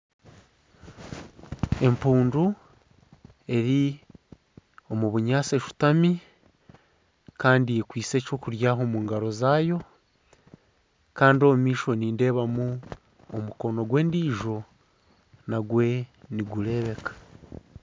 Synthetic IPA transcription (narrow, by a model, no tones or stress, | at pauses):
e̞mpuːndu | e̞ɾi | o̞muβuɲaːse̞ʃu̥tami | kaːndijekwiːse̞ːco̞ːkuɾjaːɦo̞muːŋɡaɾo̞zaːjo̞ | kaːndio̞mumiːʃo̞niːnde̞ːβamu | o̰muko̞no̞ɡwe̞ːndiːʒo̞ | naɡwe̞niɡule̞βe̞kḁ